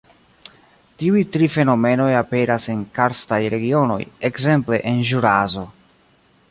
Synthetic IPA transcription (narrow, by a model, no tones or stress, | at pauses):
tiujtɾife̞no̞me̞no̞jape̞ɾase̞nkaɾstajɾe̞ɡio̞no̞̰je̞kze̞mple̞ʔenʒuɾazo̞